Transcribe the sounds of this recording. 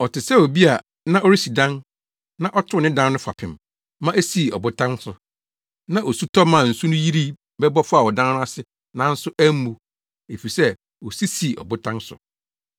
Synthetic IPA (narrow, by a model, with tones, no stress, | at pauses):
ɔ˨tɪ˨sɛ˦˨o˨bi˦a˨ | nã˦ʔɔ˦ɾi˦si˨dã˦n | nã˦ʔɔ˦tʰʊ˦˨nɪ̃˦dã˦n˦nʊ̃˦fa̰˨pʰɪ̰̃˨m | mã˦ʔæ˦si˨ɔ̰˨bʊ˦tʰã˦n˦sʊ˨ | nã˦ʔo˨su˦tʰɔ˦mːã˨n̩˨su˦nʊ̃˦ji˦ɾi˦ | bɛ˦bɔ˦fʊ˦a˨wɔ˨dã˦n˦nʊ̃˦a˦sɪ˦ | nã˦n̩˦sʊ˦æ˦mũ˨ | e˨fi˨sɛ˦ | wɔ˨si˦si˨ɔ̰˨bʊ˦tʰã˦nsʊ̰˨